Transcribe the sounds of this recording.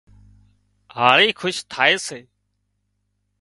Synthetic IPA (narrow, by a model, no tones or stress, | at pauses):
ɦaːɾiːkʰʊʃt̪ʰaːeːseː